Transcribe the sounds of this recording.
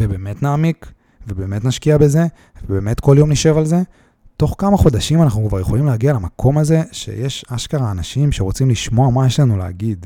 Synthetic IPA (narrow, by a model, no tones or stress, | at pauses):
vebeːme̞tnaːmik | vebe̞ːme̞tnaʃkiabe̞ze̞ | vebe̞ːme̞tko̞ljo̞mniʃe̞valze̞ | to̞χkamaχo̞daʃimanaχnukvaʁje̞χo̞limleaɡialamakʰo̞maze̞ʃe̞̰je̞ʃaʃkaʁaːnaʃimʃeʁot͡simliʃmo̞amajeʃlanulea̰ɡid